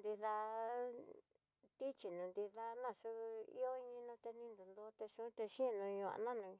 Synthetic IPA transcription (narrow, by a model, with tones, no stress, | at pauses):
nd̪i˧ða˧ | t̪i˦t͡ʃi˨nũ˨˧nd̪i˧ða˧nã˦˨ʂu˧˦˧ḭ˦o˦˧˦ɲĩ˧nũ˧t̪e˧nĩ˧nd̪u˨nd̪o˧˦t̪e˧ʃũ˦t̪e˧ʃĩ˦˧nũ˧ɲũ˧˨a̰˧nã˦nũ˧